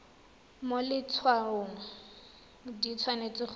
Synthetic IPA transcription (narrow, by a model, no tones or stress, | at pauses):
molɪt͡sʰwarʊːŋa | dit͡sʰwanet͡sʼɪχ